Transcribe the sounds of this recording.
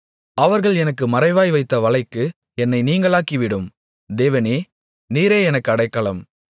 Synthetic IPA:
ʔɐʋɐɾɣɐɭɛnɐkːɯmɐɾɐɪʋaːjʋɐɪt̪ːɐʋɐɭɐɪkːɯ | ɛnːɐɪniːŋɡɐɭaːkiʋɪɽɯm | d̪eːʋɐneː | niːɾeːɛnɐkːɯɐɽɐɪkːɐɭɐm

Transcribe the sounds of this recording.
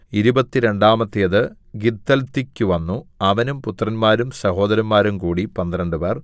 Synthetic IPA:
iɾubɐt̪ːiɾe̞ɳɖaːmɐt̪ːijɐðɨ | ɡid̪ːɐlt̪ːikʲːuʋɐnːuɐʋɐnumput̪ːrɐnmaːɾumsɐho̞ːd̪ɐɾɐnmaːɾumkuːɽipɐnd̪ɐɾɐɳɖɨper

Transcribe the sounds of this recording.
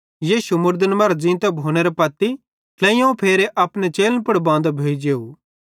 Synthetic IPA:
jiːʃumʊɾd̪ənmɐɾd͡ʒĩːnt̪ɛbʱoːneɾɐpɐt̪ːi | klɛ̃ːijõpʰeːɾeʔɐpnet͡ʃeːlənpɐɽbãːnd̪abʱeːid͡ʒeːu

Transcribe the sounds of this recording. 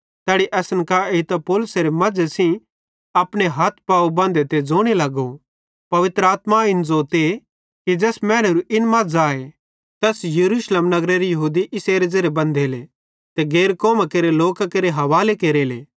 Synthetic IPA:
t̪ɛːɽiʔɛːsənkaet̪ɐpoːlʊseɾemɐd͡ʒesĩ | ɐpɽ̃eɦɐt̪̚ʰpaːubãːnd̪et̪ed͡zoːɽ̃ilɐɡo | pɐʋɪt̪ɾəaːt̪maɪnd͡zoːt̪e | kid͡ʒɛːsmɛ̃ːɽ̃əɾuʔɪnmɐd͡zaːe | t̪ɛːsjɐɾuːʃleːmnɐɡɾeɾijɐɦuːd̪iʔɪseːɾed͡zɐɾebɐ̃nd̪ʱeːle | t̪eɡeːɾkoːmakeːɾeloːkakeːɾeɦɐʋaːlekeːɾeːlḛː

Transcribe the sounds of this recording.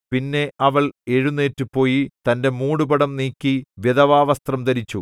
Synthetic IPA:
pinːe̞ʔɐʋɐɭe̞ɻunːeːtːupːo̞ːjit̪ɐnde̞muːɽubɐɽɐmniːkʲːiʋjeðɐʋaːʋɐst̪rɐmd̪ɐɾit͡ɕːu

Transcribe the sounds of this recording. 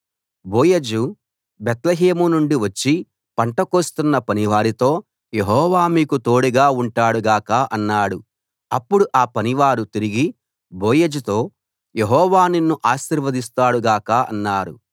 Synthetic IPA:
boːjed͡ʒu | bɛt̪lɐɦeːmunuɳɖiʋɐt͡ʃːi | pɐɳʈɐkoːst̪unːɐpɐniʋaːɾit̪o̞ː | je̞ɦɔːʋaːmiːkut̪o̞ːɽuɡaːuɳʈaːɽuɡaːkaʔɐnːaːɽu | ɐpːuɽuʔaːpɐniʋaːɾut̪iɾiɡi | boːjed͡ʒut̪o̞ː | je̞ɦɔːʋaːninːuʔaːʃiːɾʋɐd̪is̬t̪aːɽuɡaːkɐɐ̰nːaːɽṵ

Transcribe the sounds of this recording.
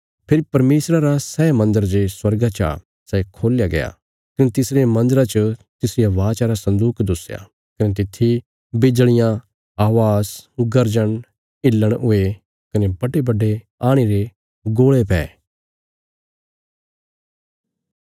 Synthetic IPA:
pʰɪɾipɐɾmeːsɾaɾasɛːmɐ̃nd̪əɾd͡ʒeswɐɾɡat͡ʃa̰ː | sɛkʰoːljaɡɐja̰ | kɐnet̪ɪsɾemɐ̃nd̪əɾat͡ʃət̪ɪsɪjaʋaːt͡ʃaːɾasɐ̃nd̪uːkd̪ʊsja̰ | kɐnet̪̬ɪt̪ʰːi | bɪd͡ʒɭ̃ɪjã | aːʋaːsʊɡəɾd͡ʒəɽ̃ | ɪlːəɽ̃ʊe | kɐnebɐɖebɐɖe | aːɽ̃eɾe | ɡoːɭepɛ̰ː

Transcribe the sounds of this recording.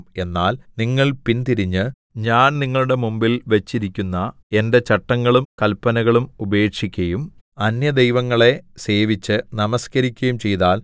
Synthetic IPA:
e̞nːaːlniŋːɐɭpint̪iɾiɲːɨ | ɲaːnniŋːɐɭuɽe̞mumbilʋɐt͡ɕːiɾikʲːunːɐ | e̞nde̞t͡ɕɐʈːɐŋːɐɭumkɐlpːɐnɐɣɐɭumube̞ːkʂikʲːɐjum | ɐnjɐd̪ejʋɐŋːɐɭe̞se̞ːʋit͡ɕːɨnɐmɐskɐɾikʲːɐjumt͡ɕe̞jt̪aːl

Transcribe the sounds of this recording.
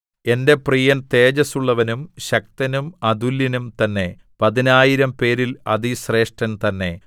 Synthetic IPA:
e̞ndeprijɐnt̪e̞ːd͡ʑɐsuɭːɐʋɐnumɕɐk̚t̪ɐnumɐd̪ulːinumt̪ɐnːe̞ | pɐðinaːjiɾɐmpe̞ːɾilɐðisre̞ːʂʈɐnt̪ɐnːe̞

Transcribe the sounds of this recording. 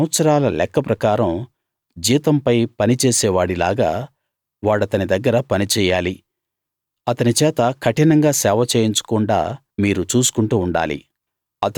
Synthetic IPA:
ʋɐt̪sɐɾaːlɐlɛ̰kːɐpɾɐkaːɾɐm | d͡ʒiːt̪ɐmpɐjpɐnit͡ʃɛːsɛːʋaːɽila̰ːɡaː | ʋaːɽɐt̪ɐnid̪ɐɡːɐɾɐpɐnit͡ʃɛːjaːli | ɐt̪ɐnit͡ʃɛːt̪ɐkʰɐʈinɐŋɡaːsɛːʋɐt͡ʃeːjiɲt͡ʃu̥kuɳɖa̰ː | miːɾut͡ʃuːsu̥kuɳʈuːɳɖa̰ːlḭ | ɐt̪

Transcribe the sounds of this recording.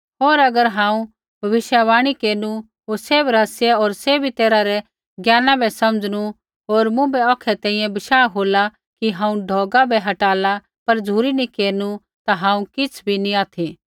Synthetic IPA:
ɦoːɾɐɡəɾɦãːũ | bʱɐʋɪʃjaʋaːɽ̃ikeːɾnu | ɦoːseːbɾaːsjɛɔːɾseːbʱit̪eːɾaɾɛ | ɡjaːnãbʱɛsɐmd͡zñu | ɦoːɾmʊ̃bɛɔkʰɛt̪ɛ̃ːĩjɛ̃bɐʃaːɦoːla | kiɦãːũɖʱɔːɡabʱɛɦɐʈaːla | pɐɾd͡zʱuːɾinĩkeːɾnu | t̪aɦãːũkɪt͡sʰbʱiniaːt̪ʰi

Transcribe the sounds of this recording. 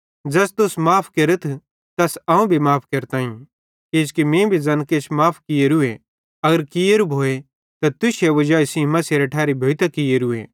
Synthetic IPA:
d͡ʒɐst̪ʊsmaːpʰkɐɾət̪ʰ | t̪ɐsɐ̃ːũbʱimaːpʰkeɾt̪ãːĩ | eskimẽːbʱid͡zɐnket͡ʃʰmaːpʰkɪjeɾue | ɐɡəɾkɪjeɾubʱoːe | t̪at̪ʊʃeʋɐd͡ʒaːisĩmɐsiɾɐʈʰaːɾibʱoːt̪akɪjeɾʊḛː

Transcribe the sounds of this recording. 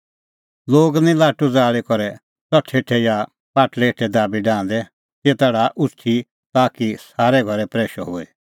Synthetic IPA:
loːɡnĩlaːʈud͡zaːɭikɔɾɛ | t͡sɔʈʰeːʈʰɛja | paːʈlɛeʈʰɛd̪aːbiɖãːnd̪ɛ | t̪eːt̪aɽaʔʊsʈʰi | t̪aːkisaːɾɛɡʱɔɾɛpɾɛːʃɔɦoɛ

